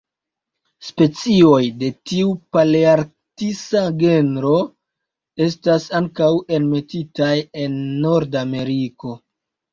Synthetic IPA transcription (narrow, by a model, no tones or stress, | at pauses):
spe̞t͡sio̞jde̞tiupaliaɾk | tisaɡe̞nɾo̞ | e̞s̬tasaŋkawe̞nme̞titaje̞nːo̞ɾdame̞ɾiko̞